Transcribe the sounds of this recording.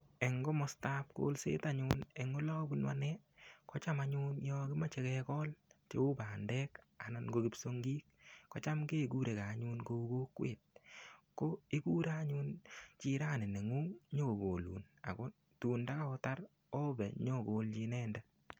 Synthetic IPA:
ɛ˨ŋɡɔ˦mɔ˦sta˦p̚ko̰lsḛ˦taɲune˨ŋo˦lɔ˦bu˦nwa̰˦nɛ˦kɔ˦t͡ʃa˦maɲu˦njɔkɪ˦ma˦t͡ʃɛ˦kɛkɔ˦lt͡ʃe˨ʊ˦baː˨ndɛː˦k | a˨na˨nɡokipso˦ŋɡiː˦k̚ːɔ˨t͡ʃa˦mke˦ku˦ɾe˨ka˨ɲunko˧u˦ɡoː˦kwḛ˨t̚ko˦i˦ku˦ɾa˦ɲu˦nt͡ʃi˦ɾa˦˨nɪ˨ne˨ŋuː˦ŋɲo˦o˨ɡo˨lṵː˨n | a̰˨kɔ˦ | tu˨nda˦ka˦ɔ˦ta˦ɾ | o˦bɛ˨ɲɔ˦koːlt͡ʃi˧nɛː˦ndɛ˦

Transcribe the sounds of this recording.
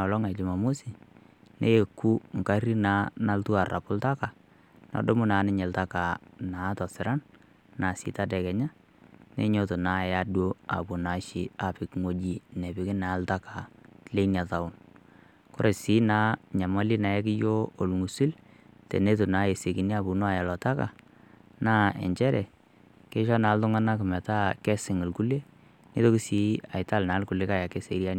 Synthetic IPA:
lɔ˦ŋa˨d͡ʒɪ˨ma˨mo˦si˨ | nḛ˦je˨kːu˦ŋ˨ka˦ɾi˦na˨˦na˦ltu˦a˨ra̰˨pʊ˦lta˦ka˨ | nɔ̰˨do˦mʊ˦naː˨˦nɪ˦ɲɛ˨lta˦ka˨naː˨˦tɔ˨sɪ˨ɾa˦n | na˨sɪ̰˨˦ta˦dɛ˨kɛ˨ɲa˦ | nḛ˦ɲo˦to˨na˨˦˨ja˨dwo˦a̰˨bʊ˨na˨ʃɪ˦a˨pɪ˨kŋo˦d͡ʒi˦nɛ˨bɪ˨kɪ˦na˨˦lta˦ka˨le˦na˨ta˨ʊ˦˨n | kɔ˦ɾe˨si˦na˦ɲa˨ma˦li˦na˨jɛ˦k̬ɪ˦jo˦o˨lŋu˨si˦l | tɛ̰˨ne˦to˨na˨˦e˨se˨ki˨ni˦a˦˨bu˨nɔ˦a˨ja˨lɔ˨ta˦ka̰˨ | naː˦ɛ̰˨ɲt͡ʃɛ˦ɾɛ˨ | ke˦ʃɔ˦na˨˦ltʊ˦ŋa˦na˦k̬ɪ˨mɛ˨ta˦kɛ˦sɪ˨ŋɪ˨lku˦le˦ | ni˦to˦kɪ˦si˦a˨ɪ˨ta˦lna˨˦lku˨le˦ka˦ja˨kɛ˦se˨˦ɾja˦n˦

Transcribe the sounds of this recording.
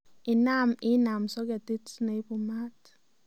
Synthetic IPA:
ɪ˨na˦mɪ˦na˨msɔ˦ka˨ti˦tsna˨˦pu˨ma˦t

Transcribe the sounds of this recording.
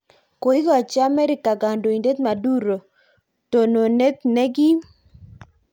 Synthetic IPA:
ko˨i˦ɡɔ˨t͡ʃa˦mɛ˦ɾɪ˦ka˨ɡa˨ndo˨i˨nde˦t̪ma˨du˦ɾo˨ | to˨no˨ne˦tne˦ɡɪ˦

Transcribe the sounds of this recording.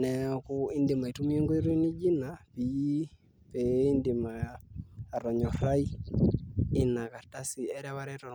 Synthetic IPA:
nɛku˦i˦ndɪ˨ma˨i˨tu˦mi˦o˦ŋɡo˦i˦ɾo˦i˦ni˦d͡ʒi˦napi˨ji˦ | pei˦ndi˨maː˨ | rɔ˨ɲɔ˨ha˦i˦ | ɪ˦na˨ka˨ta˦si˨ɛɾɛβaɾɛtɔ

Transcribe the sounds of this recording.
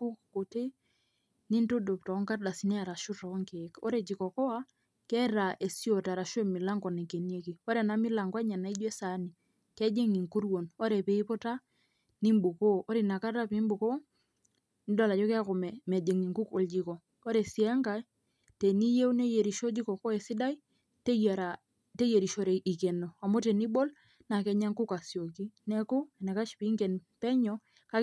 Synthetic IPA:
ku˦kko˨te˦ | ni˦nto˦do˨ptɔ˨˦ŋka˦rda˨si˦nɛ˦a˨ɾa˨ʃu˦tɔ˨˦ŋke˨kɔ̰˦ɾe˨d͡ʒi˨kɔ˨kɔ˦a˦ | kɛ˦ɾa˨ʔe˨sjo˨ta˨ɾa˨ʃe˦˨mi˨la˦ŋɡɔ˨nɛ˨ke˨ni˦e˦ki˨ɔ˦ɾɛ˨na˦mi˦la˨ŋɡwɛ˦ɲa˨na˨i˦d͡ʒwɛ˦sa˨˦ni˨ | kɛ˦d͡ʒe˦ŋi˨ŋku˦ɾwo˨nɔ˦ɾɛ˨pe˨i˦po˦ta˦ | ni˦mbu˨koː˦ɾi˨na˨ka˦ta˦pi˦mbo˨ko˦ | ni˦dɔ˨la˨t͡ʃɔ˦kːkɔ˨mɛ˨mɛ˨d͡ʒe˨ŋi˨ŋku˦ko˨ld͡ʒi˨˦kɔ˨ | ɔ˦ɾɛ˨si˨a˦ŋɡa˨˦j | te˨ni˦je˦wnɛ˦je˨ɾi˨ʃo˦d͡ʒi˦kɔ˨ko˦ɛ˨si˦da˦i˦ | te˦ja˨ɾa˨ | te˦je˨ɾi˨ʃo˨ɾɛ˨i˨kɛ˨no˨a˨mo˦te˨ni˦ɓo˦l | na˨kɛ˨˦ɲa˦ŋku˦ka˨sjo˨ki˦nɛ˦ku˦ɛ˨nɛ˨ka˦ʃpi˦ŋɡɛ˨n | pɛ˦ɲɔ˦ | ka˦

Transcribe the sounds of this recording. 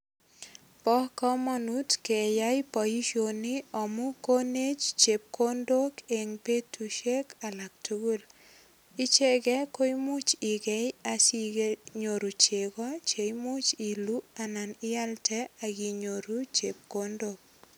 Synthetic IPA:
pɔ˦hkɔ˦mɔ˦nutkɛ˨ja˦jpɔ˨i˦ʃo˨ni˦ɔ˨mʊ˦ko˦ne˦t͡ʃt͡ʃe˨p̚ko˦ndo˦ke˨ŋpe˦tuʃe˦ka˨la˨k̚tʰu˦ɡu˦l | ɪ˦t͡ʃe˦ɡɛ˦ko˦jmʊ˦t͡ʃɪ˨ɡe˦ja˦si˦ɡeɲo˨ɾu˨t͡ʃe˨kɔ˦t͡ʃe˨jmʊ˦t͡ʃi˨lu˦a˨na˨nɪ˦a˦ltɛ˦aɡi˨ɲo˨ɾu˦t͡ʃe˨p̚kondok̚

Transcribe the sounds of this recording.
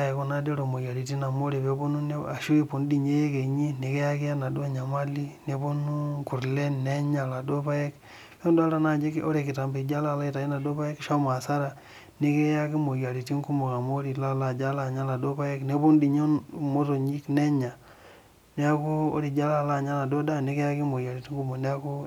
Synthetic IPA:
a˦˨e˨ko˦na˦de˦ɾo˨mo˨ja˨li˨ti˦na˨mo˦ɾe˨pe˨˦po˦nu˦na˨ʃu˦i˦po˨n˦di˨ɲe˦je˦ke˨ɲi˦ne˨ke˦ja˦ki˦a˦na˨du˦a˦ɲa˨ma˦li˦ne˦po˦nu˦ŋku˨ɾle˦ne˦ɲa˨la˨do˦pa˦je˦k | pe˦nda˦la˨na˦d͡ʒi˦ko˦ɾe˨ki˨ta˨mbe˨d͡ʒa˦la˦˨la˦i˦ta˨i˦na˨do˦pa˦je˦kʃa˦ma˨sa˦ɾa˨ | ni˦ke˦ja˦ki˦mo˨ja˨li˨ti˦ŋku˦mo˨ka˨mo˦ɾi˨la˦˨la˨d͡ʒa˦la˨ɲa˦la˨do˦pa˦je˦kne˦po˦ndi˨ɲo˦mo˦to˨ɲi˦kne˦ɲa˨ | ne˨˦a˦ko˦o̰˦ɾi˨d͡ʒa˦la˦˨la˦˨ɲa˦na˨do˦da˦˨ne˦ke˦ja˦ki˦mo˨ja˨li˨ti˦ŋku˦mo˨ne˦a˦ko˦

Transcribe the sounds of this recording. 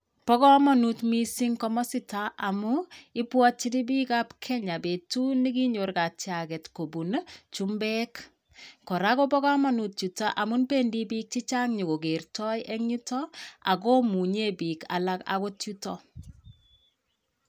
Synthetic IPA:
pɔ˦kɔ˦mɔ˨nu˨tmi˦si˦ŋkɔ˦mɔ˦sɪ˦ta˨ʔa˨muɪ˦pwɔ˦t͡ʃːi˦ni˦biː˦ka˦pkʰɛ˦ɲa˨be˨tu˦ni˦ki˦ɲo˨ɾka˨t͡ʃja˨kɛ˨tko˨bu˨nt͡ʃu˦mbɛ˦k | kɔ˨ɾa˦ko˦pɔ˦ka˦mɔ˦nu˨t̚t͡ʃu˨ta˦ʔa˨mu˦npe˦ndi˦bi˦k̚t͡ʃi˦t͡ʃa˦ŋɲi˨ko˨ɡe˨rtɔ˦jʔɛ˦ŋɲi˦tɔ˦a̰˨k̬o˦mu˨ɲe˦bi˨ka̰˨la˦ka̰˦ko˦tu˦tɔ˦

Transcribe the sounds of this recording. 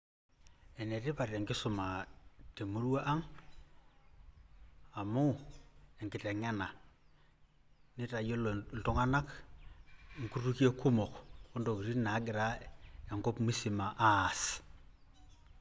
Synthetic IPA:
ɛ˨ne˨tɪ˦pa˨te˨ŋkɪ˦sʊ˨ma˨te˨mo˦ɾu˦a˦ʔa˦ŋ | a˨mu˦ɛ˨ŋkɪ˨te˨ŋa˦na˨ | nɪ˦ta˨jo˦lltɔ˦ŋa˦na˦k | ŋku˦tu˦ki˦e˦kʊ˦mɔ˨kko˦ndo˨ki˨ɾi˦na˨˦ɡɪ˨ɾa˦e˨ŋkɔ˦pmi˦si˨ma˨ʔa˦˨s

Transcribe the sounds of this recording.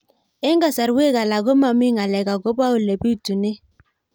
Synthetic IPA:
e˦ŋɡa˨sa˨ɾwe˦ka˨la˨ɡo˦ma˨mi˦ŋa˨lɛ˨ka˨ɡo˦ba˦u˨lɛ˨bi˦u˦˨tu˨ne˦

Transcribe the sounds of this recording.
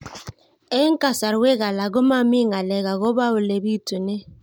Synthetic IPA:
e˦ŋ̩˦ka˨sa˨ɾwe˦ɣa˨la˨ɡo˦ma˦mi˦ŋa˨lɛ˨ɣa˨ɣo˦ba˦o˨le˨bi˦˨tu˨ne˦

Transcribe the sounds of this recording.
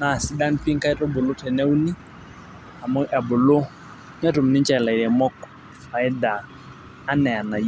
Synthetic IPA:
na˨si˨˦da˦npi˦ŋka˦ɛ˦tɔ˦bʊ˨lo˦tɛ˨nɛ˦wu˦ni˦ | a˨mu˦ʔɛ˨bʊ˨lo˦ | ɲa˦tu˨mni˦nt͡ʃa˨la˨i˨ɾɛ˨mɔ˦k | a˨ɪ˦daː˨˦ | nɛ˨a˨na˨j

